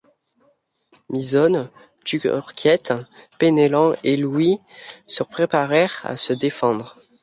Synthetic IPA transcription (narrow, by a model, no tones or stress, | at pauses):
mizɔn | t̪yɔ̰ʁkʲʰjɛt̪penelɑ̃elwisəpχepaʁɛʁa̰səd̪efɑ̃d̪ʁ